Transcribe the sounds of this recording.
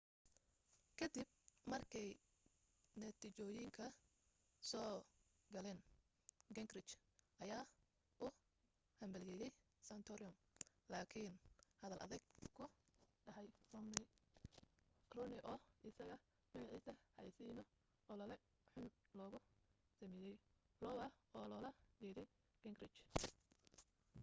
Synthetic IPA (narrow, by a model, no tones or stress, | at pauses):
kʰɐd̪ib̚ | mɐrkʰɛj | nɐt̪ʰit͡ʃɔːjɪŋkʰɐ | sɔː | ɡɐlɛːn | ɡɐŋɡrɪt͡ʃ | ʔɐjaː | ʔʊ | hɐmbɐljɛːjɛj | sɐnt̪ʰɔɾɪʊm | laːkʰinhɐðɐlʔɐ̰ðɛɡkʰʊɖɐɦɛj | rɔnɪʔɔːʔɪsɐɣɐ | mɐɣɑʕiːsɐħɑ̰jsiːnɔ | ɔːlɐlɐ | ħʊnlɔːɣʊ | sɐmɪjɛj | lɔwɐɔːlɔːlɐɡɛðɛj | ɡ̥ɛŋɡrɪt͡ʃ